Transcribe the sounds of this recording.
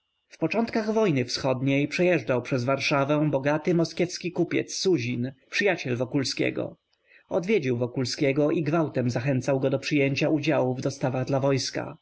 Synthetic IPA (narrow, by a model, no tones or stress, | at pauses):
fpɔt͡ʂɔnt̪̚kaɣvɔjnɘfsxɔd̪ɲejpʂɛjɛʐd͡ʐawpʂɛzvaɾʂavɛ̃bɔɡat̪ɘmɔskʲjɛfskʲikupʲjɛ̰t̪sːuʑinpʂɘjat͡ɕɛlvɔkulskʲɛ̰ɡɔ̰ | ɔd̪vʲjed͡ʑiwvɔkulskʲɛɡɔʔiɡvawt̪ɛmzaxɛnt̪sawɡɔd̪ɔpʂɘjeɲt͡ɕaud͡ʑawuvd̪ɔst̪avaɣd̪lavɔjska̰